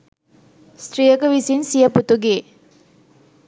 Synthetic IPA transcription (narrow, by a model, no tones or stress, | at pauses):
sʈrijəɡɐʋisinsijɐput̪uɡeː